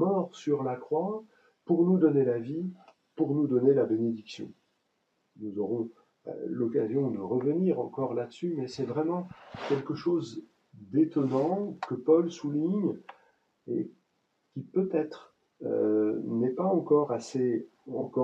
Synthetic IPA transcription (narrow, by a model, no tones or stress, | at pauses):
mɔʁsyʁlakχwa | puʁnud̪ɔnelavi | puʁnud̪ɔnelabened̪iksjɔ̰̃ | nuzɔʁɔ̰̃ | lɔkazjɔ̃d̪əʁəvəniʁɑ̃kɔʁlad̪əsymɛsɛvʁɛmɑ̃kʲɛlkəʃoz | d̪et̪ɔnɑ̃kəpɔlsuliɲ | ḛ | kʲipøt̪ɛt̪χ | nɛpaɑ̃kɔʁaseɑ̰̃kɔ